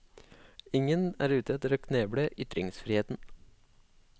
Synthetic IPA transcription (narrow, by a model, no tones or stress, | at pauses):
ɪŋənæ̰ːɾʉːt̪ɛt̪əɾoːkʰneːbɽəʔʏt̪ɾɪŋsfɾiːheːt̪n̩